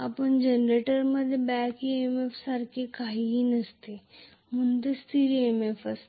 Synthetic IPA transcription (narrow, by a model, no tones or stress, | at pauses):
apənd͡ʒenɾeʈəɾmɐd̪ʱebɛːkiemefsaɾkekaɦiɦinɐst̪e | munt̪əst̪ʰiɾiemefʰɐs